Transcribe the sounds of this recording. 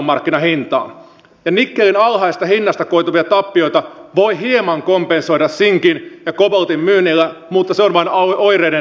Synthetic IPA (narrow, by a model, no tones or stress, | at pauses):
mːɑrkːinɑhint̪ɑ̰ːn | jɑnikːelinɑlhɑisest̪ɑhinːɑst̪ɑkoit̪uʋiɑt̪ɑpːio̞ijt̪ɑʋoihiemɑŋkompenso̞jɾɑssiŋkinjɑkobolt̪immyːnːilːæmut̪ːɑseonʋɑinojɾeːne